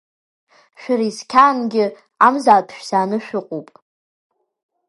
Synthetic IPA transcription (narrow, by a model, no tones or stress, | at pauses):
ʃᶣɪɾiskʲʰaːnɡʲɪ | amzaːpʰʃᶣsaːnɨʃᶣʊqʷʼupʼ